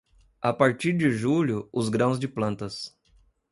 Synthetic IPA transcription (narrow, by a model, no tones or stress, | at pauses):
apaɾt͡ʃiɾd͡ʒɪʒuʎʊʊzɡɾɐ̃w̃zd͡ʒɪplɐ̃nt̪ɐs